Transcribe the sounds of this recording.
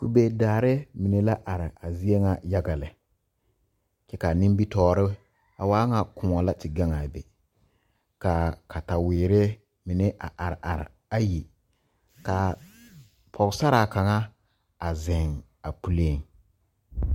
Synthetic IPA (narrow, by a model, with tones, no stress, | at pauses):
ku˨be˨daː˨ɾɪ˦mi˨ne˨la˦ʔa˨ɾɪ˨a˨zi˦e˦ŋa˨ja˦ɡa˨lɪ˨ | t͡ʃɛ˦ka˨nɪ̃˦mbi˦tɔː˦ɾɪ˦ | a˨waː˦ŋa˨kʰʊ˨mɔ˨la˦tɪ˨ɡa˦ŋa˨bḛ˨ | ka˨kʰa˨ta˨wɪː˨ɾɪ˦ | mɪ˨ne˦ʔa˨ʔa˨ɾɪ˨ʔa̰˨ɾɪ̰˨ | a˦ji˨ | ka˨ | pʰɔ˨ɣsa˦ɾa˨ka˨ŋa˦ | a˨zɪ˨ŋ | a˨pu˦le˦˨ŋ